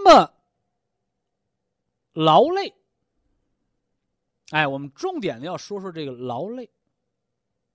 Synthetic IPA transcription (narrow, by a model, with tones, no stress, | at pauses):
mə˨˩ | lɑ˧˥ʊle˥˩ɪ | a˥˩ɪwɔ˨˩mə˦nʈ͡ʂʊ˥˩ŋt̪jɛ˨˩nd̪ə˦jɑ˥˩ʊʂwɔ˥ʂwɔ˥˧ʈ͡ʂɤ˥˩ɡə˩lɑ˧˥ʊle˥˩ɪ